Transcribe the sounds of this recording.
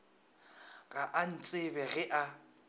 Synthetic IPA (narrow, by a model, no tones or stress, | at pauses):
ɣaʔan̩t͡sʼɪbɛɣɛʔa